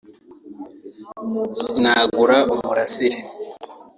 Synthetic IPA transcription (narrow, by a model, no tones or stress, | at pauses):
sinaːɡuɾaumuɾasiɾe